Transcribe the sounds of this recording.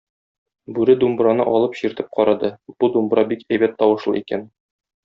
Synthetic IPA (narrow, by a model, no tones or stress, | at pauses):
bʉɾɘd̪umbɾɑnɤ̰ʔɒlˠɤpɕiɾt̪ɘp̚qɒɾɑd̪ɤb̥ud̪umbɾɑbikæjbæt̪ʰːɒwɤ̆ʃlˠɤ̰ikæn